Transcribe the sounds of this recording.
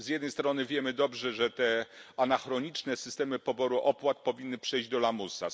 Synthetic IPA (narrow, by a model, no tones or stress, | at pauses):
zjɛd̪nɛjst̪ɾɔnɘvʲjɛmɘd̪ɔbʐɛʐɛt̪ɛanaxɾɔɲit͡ʂnɛsɘ̥st̪ɛmɘpɔbɔɾuʔɔpwat̪̚pɔvʲinːɘpʂɛjʑd͡ʑd̪ɔlamusa̰